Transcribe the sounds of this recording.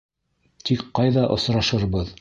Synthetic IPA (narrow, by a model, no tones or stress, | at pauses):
t̪ʰikqɑjðɑʔŏ̰sɾɑʃɤɾβɤð